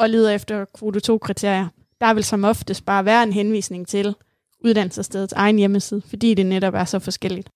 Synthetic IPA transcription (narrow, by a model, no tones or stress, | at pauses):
ɒ̽liːð̞ˠɐefd̥ɐkʰʋo̝dot͡sʰo̝̰ːkʰʁit͡sʰe̝ɐ̰jɐ | d̥ɑ̈ʋe̝lsɒ̽mɒ̽fd̥əsd̥̚b̥ɑ̈ːʋæːɐe̝nɦenʋḭːsne̝ŋt͡sʰe̝l | uð̞ˠd̥æn̰l̩səsd̥eð̞ˠsʰɑ̈ɪn̩jeməsiːð̞ˠfɒ̽d̥ḭːd̥e̝neɾɒ̽b̥æɐsɒ̽fɒ̽sɡ̥el̰id̥